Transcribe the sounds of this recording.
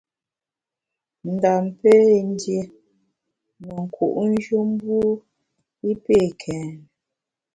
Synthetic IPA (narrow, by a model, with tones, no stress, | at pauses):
n̩˨da˨m˨pe˦˨n˦dje˨ | mə˨ŋ̩˨ku˨ʔn̩˦d͡ʒu˦m̩˦bu˦ | i˦pe˦˨kʰɛ˨